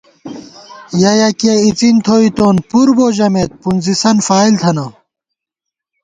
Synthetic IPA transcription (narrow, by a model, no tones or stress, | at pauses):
jɐjɐkɐit͡sint̪ʰoːit̪oːnpuɾboːʑɐmet̪̚punzisɐnfaːilt̪ʰɐnɐ